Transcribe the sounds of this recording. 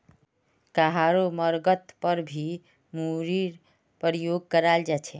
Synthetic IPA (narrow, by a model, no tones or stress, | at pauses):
kaɦaɾoməɾɡət̪pəɾbʱi | muɾiɾ | pəɾijoɡ̚kəɾald͡ʒat͡ʃʰe